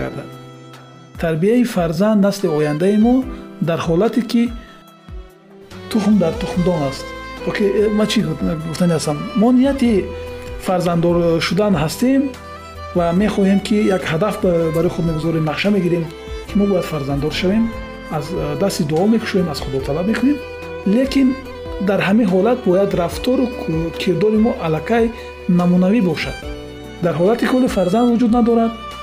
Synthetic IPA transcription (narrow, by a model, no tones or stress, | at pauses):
a̰ɾd̪a | t̪ʰaɾbiaifaɾzand̪nasliɔjand̪aimɔd̪aɾhɔlat̪iki | t̪ʰuχmd̪aɾt̪uχmd̪ɔnast̪bɔkʰimat͡ʃʰiɡuft̪anehast̪amːɔnijat̪i | faɾzand̪ɔɾʃud̪anɦast̪em | vame̞χɔhemkʰijaɡhad̪afbaɾɔjχud̪meɡuzɔɾemnaχʃame̞ɡiɾem | kʰimɔbɔjad̪̥faɾzand̪ɔɾʃave̞m | azd̪ast̪id̪uɔme̞kʰu̥ʃɔjemaz̥χud̪ɔt̪ʰalab̚me̞kʰune̞m | le̞kin | d̪aɾɦaminɦɔlat̪̚bɔjad̪ɾaft̪ʰɔɾukʰeɾd̪ɔɾimɔʔalakʰaj | namunavibɔʃad̪̥ | d̪aɾɦɔlat̪ikʰɔlifaɾzand̪vud͡ʒud̪nad̪ɔɾad̪